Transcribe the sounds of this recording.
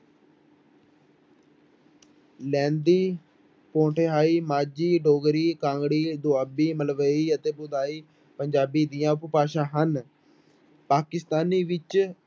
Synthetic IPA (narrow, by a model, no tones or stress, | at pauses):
lɛ̃ːnd̪iː | põːʈʰeːɦaːiːmaːd͡ʒiːɖoːɡɾiːkãːŋɡɽiːd̪ʊaːbiːməlʋəiːət̪eːbʊd̪aːiː | pəɲd͡ʒaːbiːd̪ɪjãːʊppaːʃãːɦən | paːkɪst̪aːniːʋɪt͡ʃ